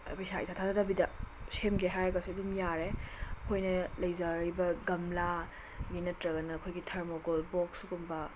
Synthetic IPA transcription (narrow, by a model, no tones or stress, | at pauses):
bɐjsaḭjtʰatʰazadɐbidɐsemɡeɦajɾɐɡɐsedinjaɾeɐkʰojnɐlɐjzaɾibɐɡɐmla | ɡinɐtɾɐɡɐnɐːkʰojɡitʰɐɾmoɡolbɔksuɡumbɐ